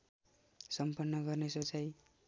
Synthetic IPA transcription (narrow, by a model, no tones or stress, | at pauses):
sʌmpʌnːʌɡʌrnesot͡saj